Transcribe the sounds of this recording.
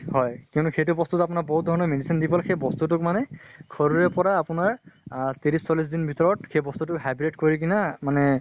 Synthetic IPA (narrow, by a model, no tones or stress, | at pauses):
ɦɔjkjʊnuxejtʊbɔst̪utap̬ʊnabɔɦut̚dʱɔɹɔnɔmedisindipɔlxejbɔstut̬ʊkmanɛkʰɔɹuɹɛpɔɹaːpʊnaɹtiɹissɔlis̬dinbʱitɔɹɔtxejbɔst̪utʊkɦabiɹetkoɹik̬inamanɛ